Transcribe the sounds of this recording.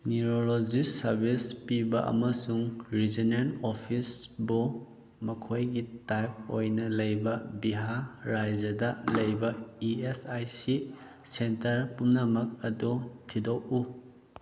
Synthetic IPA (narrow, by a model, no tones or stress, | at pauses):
niɾolod͡ʒisɐɾbispibɐʔɐ̰mɐsuŋɾizinenopʰisbu | mɐkʰojɡitajp̚o̰jnɐlɐjbɐbiɦaɾajd͡ʒɐdɐlɐjbɐiesajsi | sentɐɾpumnɐmɐk̚ɐdutʰidowu